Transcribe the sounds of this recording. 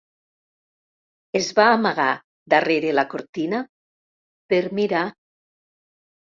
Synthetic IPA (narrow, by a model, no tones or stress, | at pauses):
ezβaːmaɣa | d̪areɾelakoɾt̪ina | peɾmiɾa